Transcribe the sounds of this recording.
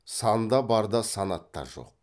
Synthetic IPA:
sɑnd̪ɑbɑɾd̪ɑsɑnɑt̪ːɑ̰ɾʒo̞̰q̚

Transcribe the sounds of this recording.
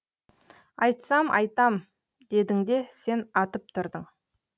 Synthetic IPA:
ɑjt̪sɑmʔɑ̰jt̪ɑm | d̪e̞d̪ɪŋd̪e̞se̞nɑt̪əp̚t̪ʰʊɾd̪əɴ

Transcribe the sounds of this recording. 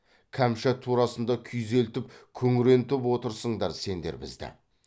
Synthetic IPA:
kʲʰæmʃɑt̪ʰuɾɑsənd̪ɑkʲʰʏjze̞lt̪ɪp̚kʲʰɵŋɪɾe̞nt̪ɪpwo̞t̪əɾsəɴd̪ɑɾse̞nd̪e̞̰ɾbɪ̰zd̪ɪ̰

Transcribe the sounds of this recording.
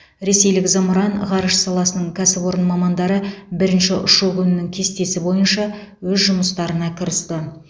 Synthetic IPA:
ɾe̞se̞jlɪkzɑmɾɑnʁɑɾəʃsɑlˠɑsənəɴkʲʰæsɪpo̞ɾənmɑmɑnd̪ɑɾəbɪɾɪnʃɪʔʊʃukʲʰʏnɪnɪŋkʲʰe̞st̪e̞sɪbo̞jənʃɑwɵzʒʊməst̪ɑɾənɑkʲʰɪɾəst̪ə

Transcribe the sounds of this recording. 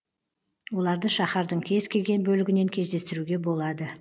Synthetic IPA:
wo̞lˠɑɾd̪əʃɑχɑɾd̪əɴkʲʰe̞zkʲʰe̞lɡʲe̞nbɵlɪɡʲɪne̞ŋkʲʰe̞zd̪e̞st̪ɪɾuɡʲe̞bo̞lˠɑd̪ə

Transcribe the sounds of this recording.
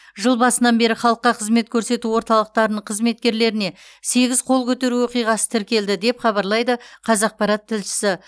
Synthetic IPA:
ʒəlˠbɑsənɑnbe̞ɾɪχɑlˠəqːɑqʰəzme̞t̪̚kʲʰɵɾse̞t̪uwo̞ɾt̪ɑlˠəq̚t̪ɑɾənəɴqʰəzme̞t̪̚kʲe̞ɾle̞ɾɪne̞se̞ɡʲɪz̥qʰo̞lˠkʲʰɵt̪e̞ɾuwo̞qijʁɑsə̥t̪ʰɪɾkʲe̞ld̪ɪd̪e̞pχɑβɑɾlˠɑjd̪əqʰɑzɑq̚pɑɾɑt̪ʰːɪlʃɪ̥sɪ

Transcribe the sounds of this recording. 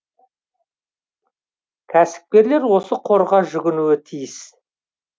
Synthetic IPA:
kʲʰæsɪ̥p̚kʲe̞ɾle̞ɾwo̞səqʰo̞ɾʁɑʒʏɡʲɪnuɪt̪ʰijɪs

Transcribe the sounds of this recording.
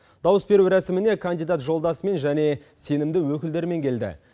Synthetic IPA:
d̪̥ɑwəsbe̞ɾuɾæsɪmɪne̞kʰand̪id̪at̪ʒo̞lˠd̪ɑsəme̞nʒæne̞ | se̞nɪmd̪ɪwɵkʲɪld̪e̞ɾɪme̞ŋkʲʰe̞ld̪ɪ̰

